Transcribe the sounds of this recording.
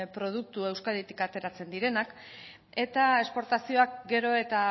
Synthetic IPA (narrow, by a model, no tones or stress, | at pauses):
pɾo̞ð̞uk̚t̪ue̞wskaðet̪i̥kat̪e̞ɾat͡se̞nd̪iɾe̞nak | e̞t̪ae̞spo̞ɾt̪asio̞akɡe̞ɾo̞e̞t̪a